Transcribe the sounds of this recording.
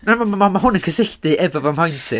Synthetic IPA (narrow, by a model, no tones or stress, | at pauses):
namammamaɦʊnənkʰəsɪɬdɨʔɛvɔvɔmhajntʰɨ